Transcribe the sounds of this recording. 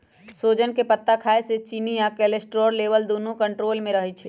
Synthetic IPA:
soːd͡ʒənkepət̪ːakʰaːeset͡ʃiːnijakɛːlesʈɾoːɾleːʋəld̪oːnõkɐ̃ɳʈɾoːlmẽɾɐɦet͡ʃʰɛː

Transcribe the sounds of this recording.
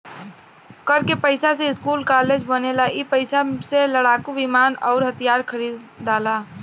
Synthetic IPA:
kəɾkepəɪsaseɪskuːlkaːled͡ʒbənelaʔipəɪsaseləɽaːkuʋɪmaːnɔ̰ːʊɾɦət̪ijaːɾkʰəɾiːd̪ | aːla

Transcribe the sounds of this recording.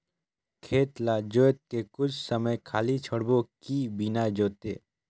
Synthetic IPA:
kʰeːt̪lad͡ʒoːet̪̚kekʊt͡ʃʰsəməjkʰaːlit͡ʃʰəɽbokibinad͡ʒoːt̪eː

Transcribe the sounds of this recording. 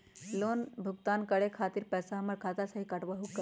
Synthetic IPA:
loːnbʱuɡt̪aːnkəɽekʰaːt̪iɾpɛːsaɦməɾkʰat̪asəɦikɐʈʋəɦukːə

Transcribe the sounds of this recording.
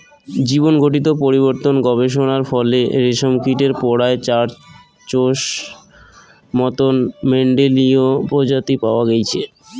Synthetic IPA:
d͡ʑibonɡʱoʈ̬it̪opoɾiβoɾt̪onɡɔβeʃ̬onaɾfɔleɾeʃomkiʈeɾpɔɽaet͡ɕaɾ | t͡ɕoʃ | mɔt̪onmeɳɖeliopɾod͡ʑat̪ipaoaɡejt͡ɕʰe

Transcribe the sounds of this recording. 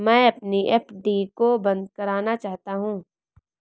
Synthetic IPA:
mɛ̃ːɐpniʔeːpɖikobɐ̃nd̪̚kɐɾaːnat͡ʃaːɦt̪aɦũː

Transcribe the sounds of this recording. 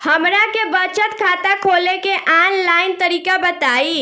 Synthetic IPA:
həmɾakebət͡ʃət̪kʰaːt̪akʰoːlekeʔaːnlaːɪnt̪əɾiːkabət̪aːi

